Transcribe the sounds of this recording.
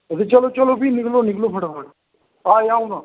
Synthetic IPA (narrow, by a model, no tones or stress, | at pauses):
ət̪et͡ʃəloːt͡ʃəloːpiːnɪkloːnɪkloːpʰəʈapʰəʈ | aːeaːũnaː